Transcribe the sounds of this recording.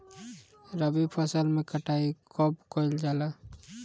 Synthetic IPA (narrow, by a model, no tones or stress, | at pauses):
ɾəbipʰəsəlmẽkəʈaikɔpkold͡ʒala